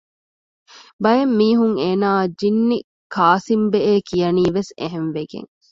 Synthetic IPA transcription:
bɐjemːiːɦuŋeːnaːd͡ʒinːi | kʰaːsimbeeːkijɐniːʋesḛɦenʋeɡḛŋ

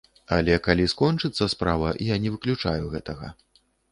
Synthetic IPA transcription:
ɐlʲɛkalʲiskɔnt͡ʂɨt̪sːɐspɾavɐʔijanʲɛvɨklʲut͡ʂajuɣɛt̪ɐɣɐ̰

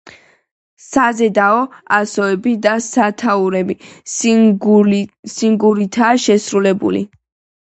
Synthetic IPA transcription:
sazɛd̪aɔasɔɛbid̪asat̪ʰauɾɛbi | siŋɡuɾit̪ʰaːʃɛsɾulɛbṵlḭ

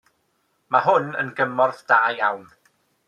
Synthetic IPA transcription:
maɦʊnə̰nɡəmɔrθd̥aːjawn

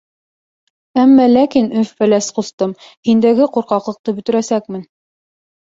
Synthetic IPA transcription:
æmːælækinɵffælæsqŏst̪ɤmhind̪æɡɘquɾqɑqlˠɤ̆q̚t̪ɤbɵ̆t̪ɵ̆ɾæsækmɘn

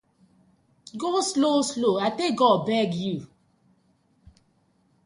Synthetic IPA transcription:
ɡoslosloatek̚ɡɔbɛɡju

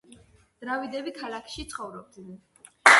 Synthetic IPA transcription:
d̪̥ɾavid̪ɛbikʰalakʰʃit̪sʰχɔvɾɔb̚d̪nɛn

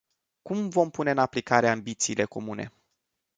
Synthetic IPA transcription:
kumvo̞mpune̞ɨnaplikaɾeambit̪siːle̞ko̞mune̞̰

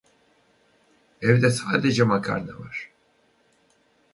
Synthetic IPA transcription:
ɛvd̪ɛsaːd̪ed͡ʒɛmakʰa̰ɾna̰vaɾ̥

